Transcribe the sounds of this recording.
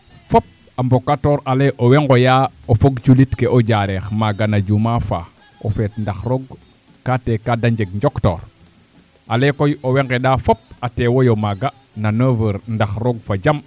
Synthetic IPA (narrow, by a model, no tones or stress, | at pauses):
fop̚ | ambokːatoːɾaleʔoweŋɡojaofoɡt͡ʃulitkeʔod͡ʒaɾɛxmaɡanad͡ʒumafa̰ | o̰fɛtndaxɾoɡ | katekadaɲd͡ʒeɡɲd͡ʒokto̰ːɾ | ʔalekojoweŋɡeɗafop̚atewojomaɡa | nanəvəɾndaxɾoɡfad͡ʒam